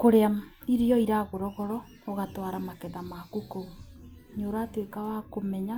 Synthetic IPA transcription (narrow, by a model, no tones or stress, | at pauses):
koɾea | iɾiɔiɾaɣoɾɔɣɔɾɔː | ɣatwaɾamakɛðamakukou | ɲoːɾaːtwekawakomɛɲa